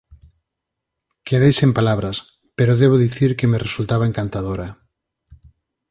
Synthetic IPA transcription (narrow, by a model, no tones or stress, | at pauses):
keðejsempalaβ̞ɾas | peɾoðeβ̞oðiθiɾkemeresult̪aβaeŋkant̪aðoɾɐ